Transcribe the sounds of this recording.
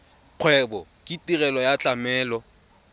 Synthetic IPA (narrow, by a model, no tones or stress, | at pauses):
q͡χʰwɛbɔkʼitʼirɛlɔjat͡ɬʼamɛːlɔ